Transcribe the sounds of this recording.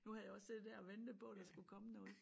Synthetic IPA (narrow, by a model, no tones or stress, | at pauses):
nuhæðjaɒ̽sed̥d̥æɐ̰ɒ̽ʋend̥əpʰɒ̽d̥ɑ̈sɡ̥ukʰɒ̽mənɔ̽ːð̩ˠ